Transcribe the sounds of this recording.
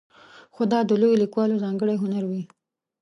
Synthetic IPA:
xod̪ɑd̪əlojolikwɑlozɑŋɡəɽeɦʊnaɾwi

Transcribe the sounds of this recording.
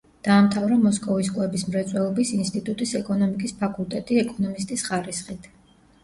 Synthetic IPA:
d̪̥aːmt̪ʰavɾamɔskʼɔvis̬kʼwɛbismɾɛt̪sʼwɛlˠɔbisinst̪ʼit̪ʼut̪ʼisɛkʼɔnɔmikʼispʰakʼulˠt̪ʼɛt̪ʼiɛkʼɔnɔmist̪ʼisχaɾisχit̪ʰ

